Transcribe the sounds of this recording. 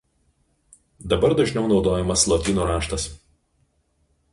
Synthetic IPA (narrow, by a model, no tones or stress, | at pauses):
d̪ɐbɐɾd̪ɐʒʲnʲɛʊnɒʊd̪oːjɛmɐslˠɔt̪ʲinuːɾɑːʃt̪ɐs